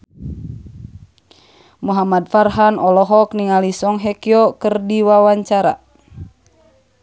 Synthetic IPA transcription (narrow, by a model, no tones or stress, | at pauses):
muɦamad̚farɦanɔlɔɦɔkniŋalisɔŋɦɛkiɔkərdiwawaɲt͡ʃaɾa̰